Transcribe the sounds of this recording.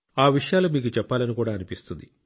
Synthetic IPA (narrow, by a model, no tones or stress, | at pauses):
aːʋiʂɐjaːloːmiːkut͡ʃɛpːaːlɐnikuːɽaːɐnipist̪und̪i